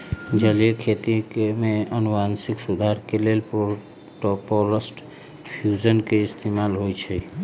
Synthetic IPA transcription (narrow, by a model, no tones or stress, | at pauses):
d͡ʒəliekʰet̪ikemeənubansiksud̪ʱaɾkelelpo | ʈopoləsʈ | pʰijud͡ʒənkeist̪emalɦojt͡ʃʰɛ